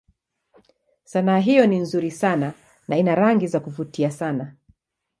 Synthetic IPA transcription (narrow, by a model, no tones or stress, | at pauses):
sanaːɦijɔninzuɾisana | nainaɾaŋɡizakuvutiasana